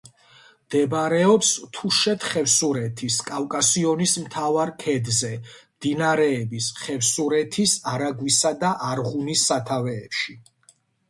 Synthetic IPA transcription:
md̪̥ɛbɾɛɔpst̪ʰuʃɛt̪ʰχɛfsuɾɛt̪ʰiskʼafkʼasiɔnismt̪ʰavaɾkʰɛd̪zɛmd̪̥inaɾɛːbisχɛfsuɾɛt̪ʰisaɾaɡwisad̪aʔaɾʁunisːat̪ʰavɛːpʃi

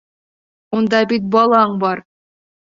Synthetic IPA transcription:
und̪ɑbʲit̪̚bɑlˠɑɴbɑɾ

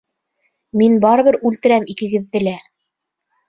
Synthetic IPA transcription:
minbɑɾɤ̆βɘɾʉlt̪ɘ̆ɾæmikɘ̆ɡɘ̆ðːɘ̆læ

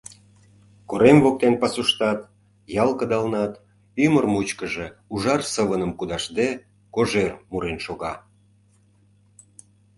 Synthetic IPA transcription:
koɾemvok̚t̪enpɑsuʃt̪ɑt̪ | jɑlˠkəd̪ɑlnɑt̪ | ymərmut͡ɕkəʒeuʒɑrsəβənəmkud̪ɑʃd̪e | koʒermuɾenʃoɣɑ

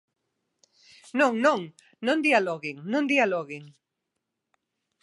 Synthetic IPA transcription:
nõŋnõŋ | nõnd̪ialɔɣiŋnõnd̪ialoɣiŋ

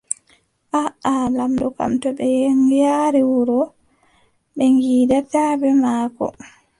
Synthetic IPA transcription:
ʔaalamdɔka̰mtɔbɛjeŋijaɾiwuɾɔ | ɓɛŋɡiːdatabɛmaːkɔ̰

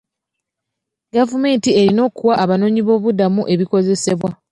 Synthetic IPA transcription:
ɡavume̞ːntie̞ɾino̞ːkuwaʔːβano̞ːɲiβo̞ːβudamuʔe̞βiko̞ze̞se̞βwa

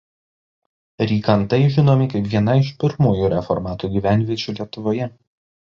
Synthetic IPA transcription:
ɾʲiːkɐnt̪ɐɪʒʲɪnoːmʲɪkɐɪpʋʲiɛnɐɪʃpʲɪɾmuːjuːɾʲɛfɔ̰ɾmɑːt̪uːɡʲiːʋʲænʲʋʲiɛt͡ʃʲuːlʲiɛt̪ʊʋoːjɛ

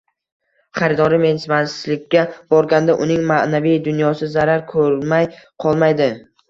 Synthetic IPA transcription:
χaɾɪd̪ɒɾɪme̞nsɪmasɪlɪkʲʰːab̥ɒɾɡʲand̪aʔʊnɪŋmanavijd̪ʊnjɒsɪzaɾaɾkʰɵɾmajqʰɒlˠmajd̪ɪ

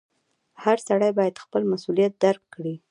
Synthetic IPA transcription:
haɾsaɽajbɑjad̪xpəlmasulijat̪̚d̪aɾkːɽi

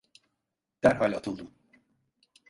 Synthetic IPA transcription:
d̪̥æɾɦalʲat̪ʰɯlˠd̪ɯm

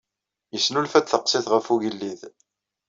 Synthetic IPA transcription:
jəsːnulfæd̪θəqsɪθʁəfuʝəlːið

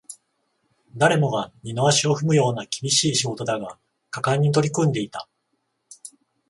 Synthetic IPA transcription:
d̪aɾe̞mo̞ɡaɲinoaɕio̞ɸɯ̟mɯ̟jo̞ːnakʲi̥bʲiɕiːɕiɡo̞t̪o̞d̪aɡa | kakaɲ̟ːit̪o̞ɾʲikɯ̟̃nd̪e̞it̪a̰

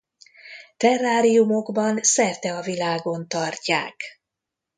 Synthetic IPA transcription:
t̪ɛrːaːɾijumo̞ɡbɒnsɛrt̪ɛɒvilaːɡo̞nt̪ɒrca̰ːk

